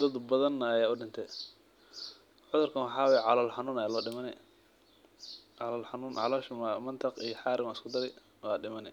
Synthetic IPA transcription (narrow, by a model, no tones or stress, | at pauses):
d̪ɐd̪bɐðɐnːɐɐjaːʊɖɪnt̪ʰɛ | ʕʊðʊrkʰɐnwɑħɑːwɛjʕɑlɔːlħɑnuːnɐjalɔːɖɪmɐnɛ̰ | ʕɑlɔːlħɑnuːnʕɑ̰lɔːʃmmɐnt̪ʰɐqijɔħɑːɾɪmaɪskʰʊd̪ɐɾɛj | wɑːɖɪmɐnɛ